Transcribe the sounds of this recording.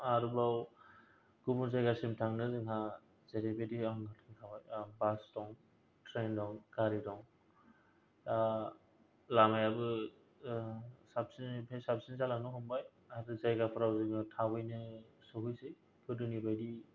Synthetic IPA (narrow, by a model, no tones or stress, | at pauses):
aɾubaw | ɡ̥ubunzajɡasimtʰaŋnɯzɯŋɦa | z̥eɾebediaŋɡɯtʰiŋtʰabajbastɔŋ | tɾendɔŋɡaɾidɔŋ | a | lamajabɯ | sab̚sinpʰesap̚sinzalaŋnɯɦɔmbaj | aɾɯzajɡapʰɯɾawzɯŋɯtʰabɯjnɯsɯɦujse | kʰɯdɯnibajdi